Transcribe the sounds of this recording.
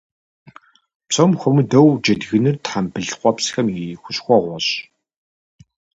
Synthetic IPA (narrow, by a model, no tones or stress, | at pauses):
pt͡sʰʼɔmxʷɔmɨdɐwd͡ʒɐdɣɨnɨrtħampɨɮqʷɔpsxɐmixʷʊɕxʷɔʁʷɔɕ